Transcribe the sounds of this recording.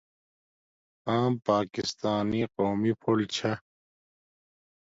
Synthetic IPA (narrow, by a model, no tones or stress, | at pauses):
ãːmpaːkist̪aːniqoːmipʰolt͡ɕʰɐ